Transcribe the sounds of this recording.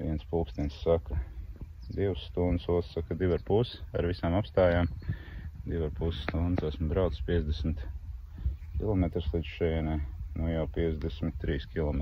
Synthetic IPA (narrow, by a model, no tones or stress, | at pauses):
ʋiɛnspuːkst̪ʲiɛnssakɐ | d̪iwsːt̪und̪suɔt̪ssakad̪ivaɾpusa̰ɾʋisaːmapst̪aːjaːm | d̪ivaɾpusst̪und̪sasmbɾawt̪sspʲiɛzd̪esmɪt̪ | kʲilˠɔmet̪ɾslˠid̪z̥ʃɛɛnɛnujawpʲiɛzd̪ɛsmɪt̪ːɾiːskʲilˠɔme